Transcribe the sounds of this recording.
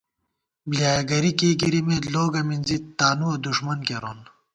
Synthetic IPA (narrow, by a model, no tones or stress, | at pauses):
bljaːjɐɡɐɾikeɡiɾimeloːɡɐminzit̪ːaːnuɐd̪uʂmɐnkeɾoːn